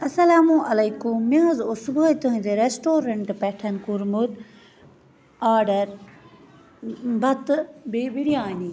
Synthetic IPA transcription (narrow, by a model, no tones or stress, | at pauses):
ɐsɐlaːmũːʔɐlɐjkumːezosubʱoit̪õĩd̪eɾesʈoːɾɐɳʈpɛːʈʰɐnkuɾmud̪ | aːɖɐɾ | bʱɐt̪bebiɽijaːni